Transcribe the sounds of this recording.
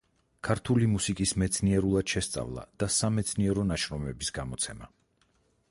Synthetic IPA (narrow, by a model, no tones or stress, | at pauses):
kʰaɾt̪ʰulimusikʼismɛt̪sʰniɛɾulˠad̪̥ʃɛst̪sʼa̰vlˠa̰d̪̥asamɛt̪sʰniɛɾɔnaʃɾɔmɛbisɡamɔt̪sʰɛma